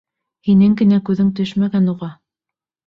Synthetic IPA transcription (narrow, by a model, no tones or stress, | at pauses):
hinɘŋɡɘ̆nækʉðɘŋt̪ɵʃmæɡænuʁɑ